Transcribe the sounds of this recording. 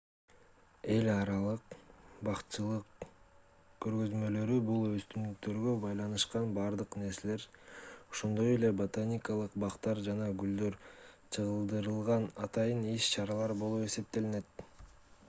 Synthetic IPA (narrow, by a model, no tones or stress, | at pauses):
e̞lʲɑɾɑlˠɯqbɑqt͡ʃɯlˠɯq | kø̞ɾɡø̞zmø̞lø̞ɾybulˠø̞st̪ynyk̚t̪ø̞ɾɡøbɑjlˠɑnɯʃqɑnbɑɾd̪ɯqne̞ɾse̞le̞ɾo̞ʃo̞nd̪o̞je̞le̞bot̪anʲikalˠɯqbɑqt̪ɑɾd͡ʒɑnɑɡyld̪øɾ | t͡ʃʰɯʁɯlˠd̪ɯɾɯlˠʁɑnɑt̪ɑjɯniʃt͡ʃʰɑɾɑlˠɑɾbo̞lˠupe̞se̞p̚t̪e̞line̞t̪̚